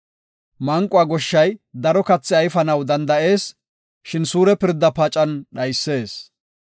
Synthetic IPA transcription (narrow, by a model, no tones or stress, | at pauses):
mɐŋkʼːʊaːɡɔʃːɐjd̪ɐɾɔkɐt͡sːɛɐjfɐnɐwd̪ɐnd̪ɐʔe̞ːs | ʃɪnsuːɾɛpɪɾd̪ːɐpɐt͡ʃʼɐnɗɐjsːe̞ːs